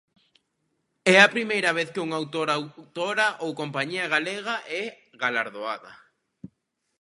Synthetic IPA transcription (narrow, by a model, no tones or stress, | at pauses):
ɛɐpɾimejɾɐβ̞eθkɪuŋawt̪oɾawt̪oɾɐʔowkompaɲiɐɣaleɣɐʔɛ | ɣalaɾðoaðɐ̰